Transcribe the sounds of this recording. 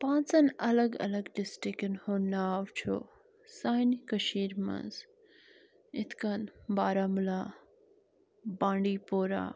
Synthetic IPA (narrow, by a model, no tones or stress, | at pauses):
pãːnt͡sɐnɐlɐɡɐ̰lɐɡɖɪsʈikɐnhondaːwt͡ʃʰo̰ː | saːnkɐʃiːɾmɐ̰nz | ɪt̪ʰkɐnbaːɾaːmulaː | bãːɳɖiːpoːɾa̰ː